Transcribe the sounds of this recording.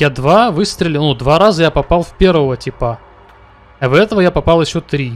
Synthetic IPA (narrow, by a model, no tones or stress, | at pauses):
jad̪vavɨst̪ɾʲɪlʲɪnud̪vaɾazəjapɐpalˠfʲpʲe̞rvəvətʲɪpa | ɐvɛt̪əvəjapɐpɑlˠjɪɕːot̪ɾʲi